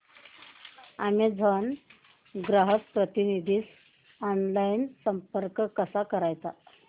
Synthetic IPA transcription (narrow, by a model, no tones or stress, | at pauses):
am̤id͡zʱən | ɡɾaɦəkpɾət̪inid̪ʱiːs | ɔnlajinsəmpəɾkkəsakəɾajt̪a̰